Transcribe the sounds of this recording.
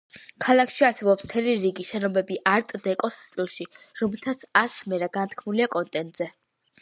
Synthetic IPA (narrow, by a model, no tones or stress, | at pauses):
kʰalˠakʰʃiaɾsɛbɔpsm̥t̪ʰɛliɾiɡiʃɛnɔbɛbiʔaɾt̪ʼd̪ɛkʼɔst̪sʼilˠʃiɾɔmɛlˠt̪ʰat̪sʰasmɛɾaɡant̪ʰkʰmuliakʼɔnt̪ʼɛnt̪ʼz̥ɛ